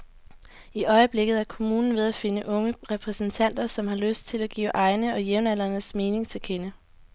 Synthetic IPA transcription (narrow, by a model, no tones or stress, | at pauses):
iʔɒ̽ɪəb̥le̝ɡ̥ð̞̩ˠæɐkʰo̝muːnn̩ʋe̝ð̞ˠæfe̝nəʔɔ̽ŋəʁɛpʰʁɛsn̩t͡sʰæn̰d̥ɐsɒ̽mhɑ̈løsd̥̚t͡sʰe̝læɡ̥ḭːʔɑ̈ɪnəɒ̽jeʊnæl̰ɐnəsme̝ːne̝ŋt͡sʰe̝lkʰenə